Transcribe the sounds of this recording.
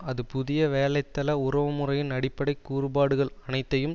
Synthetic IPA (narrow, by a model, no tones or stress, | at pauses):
ɐðɯpʊðɪjɐʋeːlɐɪt̪ːɐlɐʊrɐʋɐmɯrɐjɪnɐɽɪpːɐɽɐɪkːuːrɯbaːɽɯɣɐɭɐnɐɪt̪ːɐjɯm